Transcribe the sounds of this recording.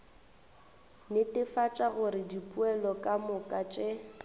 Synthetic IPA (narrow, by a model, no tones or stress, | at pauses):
nɪtɪfat͡ʃʼaɣʊɾɪdipʼuɛlɔkʼamʊkʼat͡ʃʼe